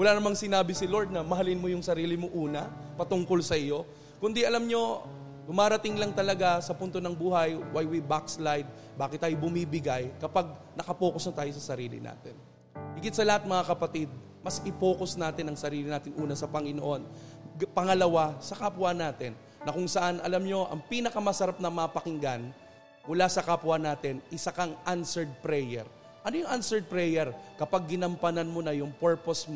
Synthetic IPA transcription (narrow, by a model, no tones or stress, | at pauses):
wɐlaːnɐmaŋsɪnaːbɪsɪlo̞ɹd̪̚nɐmɐɦɐlɪnmojʊŋsɐɾiːlɪmoʔuːnɐ | pɐt̪ʊŋko̞lsɐʔɪjo̞ | kʊnd̪ɪʔɐlamɲo̞ | ɡʊmaːɾɐt̪ɪŋlɐŋt̪ɐlɐɡasɐpʊnt̪o̞nɐŋbuːhɐjwajwibakslajd̪̚ | baːkɪt̪ɐjobʊmiːbɪɡajkɐpaɡ̚nɐkɐpoːkosmɐt̪aːjo̞sɐsɐɾiːlɪ̰na̰ːt̪ɛn | hiɡɪt̪sɐlɐhat̪̚mɐŋakɐpɐt̪ɪd̪̚ | mɐsʔɪpoːko̞snaːt̪ɪnɐŋsɐɾiːlɪnaːt̪ɪnʔuːnɐsɐpɐŋɪnoʔo̞n | pɐŋɐlɐwasɐkapwanaːt̪ɛnːɐkʊŋsɐʔanʔɐlamɲo̞ʔɐŋpiːnɐkɐmɐsɐɾap̚nɐmɐpɐkɪŋɡan | mʊlasɐkapwanaːt̪ɪnʔɪsɐkɐŋʔansɛɹd̪̚pɾɛjɛ̰ɹ | ʔɐnojʊŋʔansɛɹd̪̚pɾɛjɛɹkɐpaɡ̚ːɪnɐmpɐnɐnmonɐjʊŋpɛɹposm